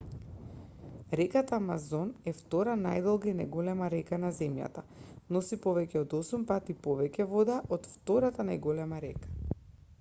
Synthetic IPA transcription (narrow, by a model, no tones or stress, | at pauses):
ɾɛkat̪amazɔnɛft̪ɔɾanajd̪ɔlˠɡainajɡolɛmaɾɛkanazɛmja̰t̪anɔsipɔvɛcɛɔd̪ɔsumpat̪ipɔvɛcɛvɔd̪aʔot̪ft̪ɔɾat̪anajɡɔlɛmaɾɛkḁ